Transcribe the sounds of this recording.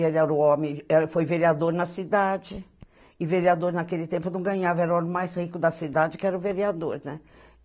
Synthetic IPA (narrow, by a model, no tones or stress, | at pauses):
elɛɾʊõmẽɛfojveɾiad̪oɾnɐsid̪ad͡ʒɪ | ɪveɾiad̪oɾnakelɪt̪ẽmpʊnɐ̃w̃ɡɐ̃ɲavɐɛɾʊ̃õmẽj̃majshikʊd̪ɐsid̪ad͡ʒɪkɪɛɾɐʊ̃veɾiad̪oɾnɛ